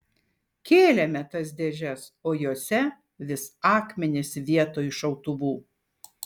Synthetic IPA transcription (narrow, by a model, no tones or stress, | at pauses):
kʲeːlʲɛmʲɛt̪ɐs̬d̪ʲeʒʲɛsoːjoːsʲɛ | ʋʲɪsɑːkmʲɛnʲɪsʋʲiɛt̪oːɪʃɐʊt̪ʊʋuː